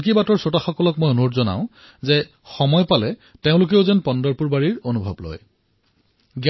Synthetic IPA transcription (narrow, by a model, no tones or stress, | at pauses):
k̬ibatɔɹsotaxɔkɔlɔkmojonutzɔna̰ʊ̃ | zɛ | xɔmɔjpalɛteʊ̃lʊk̬eʊzɛnpɔndɔɹpuɹbaɹiɹonubʱɔblɔ̰j | ɡ